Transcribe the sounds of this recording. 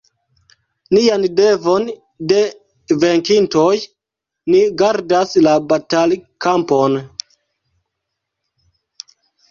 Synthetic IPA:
niande̞vo̞n | de̞ | ve̞ŋkinto̞j | niɡaɾdaslabatalkampo̞n

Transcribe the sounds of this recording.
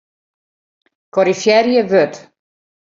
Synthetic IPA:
kɔɾifjɛɾjəvɵd̪̥

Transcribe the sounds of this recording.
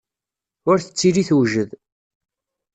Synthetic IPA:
ʊɾθə̥t͡sːiɾiθwʒəð

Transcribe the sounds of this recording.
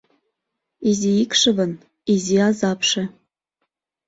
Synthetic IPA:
iziikʃɤ̆βɤ̆n | iziɑzɑpʃĕ

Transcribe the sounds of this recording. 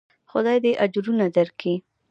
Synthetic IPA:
xʊd̪ɑjd̪eʔad͡ʒɾunad̪aɾkʰi

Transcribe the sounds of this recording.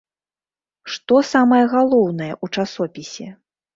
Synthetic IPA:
ʂt̪ɔsamɐjɐɣalˠɔwnɐjɛʔut͡ʂasɔpʲisʲɛ

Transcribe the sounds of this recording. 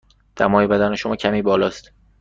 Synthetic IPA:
d̪̥æ̰mɒːjebæd̪æne̞ʃomɒːcʰæmiːbɒːlɒːst̪

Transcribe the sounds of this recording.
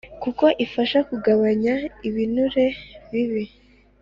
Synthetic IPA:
kuko̞ʔifaʃakuɡaβaɲaiβinuɾe̞βiβi

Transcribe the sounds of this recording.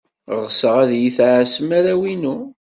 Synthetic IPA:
ʁsəʁæðjiθʕsəmaɾæwinu

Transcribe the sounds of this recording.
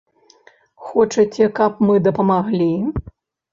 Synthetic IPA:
xɔt͡ʂɐt͡sʲɛkɐpmɨd̪ɐpɐmaɣlʲi

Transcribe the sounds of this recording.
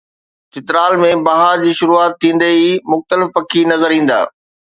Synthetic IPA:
t̪ɪt̪ɪɾaːlmẽbaːɦaɾd͡ʑiːʃʊɾuaːt̪ʰːĩːn̆d̪eimʊxt̪əlɪfpɐkʰinɐzəɾĩːn̆d̪a̰ː

